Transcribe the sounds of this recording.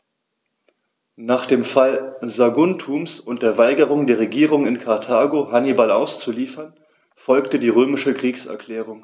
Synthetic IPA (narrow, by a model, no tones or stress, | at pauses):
naːχd̥eːmfalzaɡʊntʰuːmsʊntd̥eːɐvaɪɡəʁ̞ʊŋdeːɐʁ̞eɡiːʁ̞ʊŋɪnkʰaɐtʰaːɡoɦanibalaʊst͡suliːfɐn | fɔlktədiːʁøːmɪʃəkʁ̥iːksɛ̰ɐkl̥ɛːʁ̞ʊŋ